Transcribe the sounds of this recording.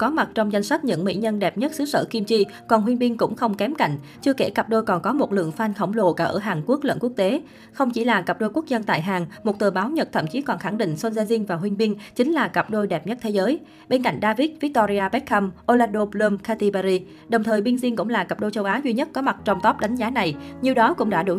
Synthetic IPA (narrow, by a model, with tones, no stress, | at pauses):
kɔ˨˦ma˨˩t̚t͡ɕɔ˧wŋ͡mza˧jŋ̟sa˦˥t̚ɲɨ̰˧˥ŋmḭ˧˥ɲə˧nɗɛ˨˩p̚ɲə˦˥t̚sɨ˨˦sə̰ː˧˩ki˧mt͡ɕi˧ | kɔ˨˩nɦwi˧nɓi˧ŋkʊ̰˧˥ŋ͡mxə˧wŋ͡mkɛ˨˦mka̰˧˨jŋ̟ | t͡ɕɨ˧əke˧˩kə˨˩p̚ɗo˧jkɔ˨˩nkɔ˨˦mo˨˩t̚lɨ̰˧˨əŋfaː˧nxə˧˩wŋ͡mlo˨˧˩kaː˧˩ʔəː˧˩ɦaː˨˩ŋku˦˥ək̚lə̰˧˨nku˦˥ək̚t̪e˨˦ | xə˧wŋ͡mt͡ɕi˧˩laː˨˩kə˨˩p̚ɗo˧jku˦˥ək̚zə˧nt̪a̰ː˧˨jɦaː˨˩ŋmo˨˩t̚t̪ɨː˨˩ɓaː˨˦wɲə˨˩t̚t̪ʰə̰˧˩mt͡ɕi˨˦kɔ˨˩nxa˧˩ŋɗḭ˧˨ŋ̟so˧nzaː˧zi˧ənvaː˨˩ɦwi˧ŋ̟ɓi˧əŋt͡ɕï˨˦ŋ̟laː˨˩kə˨˩p̚ɗo˧jɗɛ˨˩p̚ɲə˦˥t̚t̪ʰe˨˦zəː˨˦j | ɓe˧nka̰˧˨jŋ̟ɗaː˧vi˦˥t̚vi˦˥k̚t̪ɔ˧ɾi˧aː˧ɓɛ˦˥t̚xa˧mʔo˧laː˧nɗo˧pləː˧mkaː˧t̪i˧ɓa˧zi˧ | ɗə˨˩wŋ͡mt̪ʰəː˨˩jɓi˧ənzi˧ŋkʊ̰˧˥ŋ͡mlaː˨˩kə˨˩p̚ɗo˧jt͡ɕə˧wʔaː˨˦zwi˧ɲə˦˥t̚kɔ˨˦ma˨˩t̚t͡ɕɔ˧wŋ͡mt̪ɔ˦˥p̚ɗa˨˦jŋ̟zaː˨˦na˨˩jɲi˨əwɗɔ˨˦kʊ̰˧˥ŋ͡mɗa̰ː˧˥ɗɨ˨˧˩